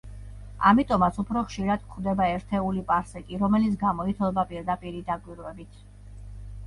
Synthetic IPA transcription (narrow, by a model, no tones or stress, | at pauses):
amit̪ʼɔmat̪sʰupʰɾɔχʃiɾad̪̥kχd̪ɛbaɛɾt̪ʰɛulipʼaɾsɛkʼiɾɔmɛlit̪sʰɡamɔit̪ʰlˠɛbapʼiɾd̪apʼiɾid̪akʼwiɾwɛbit̪ʰ